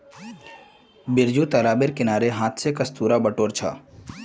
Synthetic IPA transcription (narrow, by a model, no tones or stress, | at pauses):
bɪɾd͡ʒut̪ɐɾaːbɪɾkɪnaːɾeɦãːt̪ʰsekɐst̪uːɾabəʈoːɾt͡ʃʰa̰ː